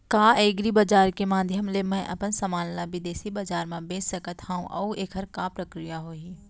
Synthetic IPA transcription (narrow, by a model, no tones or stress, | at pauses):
kaːeːɡɾibɐd͡ʒaːɾkemaːd̪ʱjəmlemɛ̃ʔɐ̰pənsɐmaːnlaʋɪd̪eːsibɐd͡ʒaːɾmãbẽːd͡ʒsəkət̪hãːũʔɐːueːkʰəɾkapɾəkɾijaɦoːiː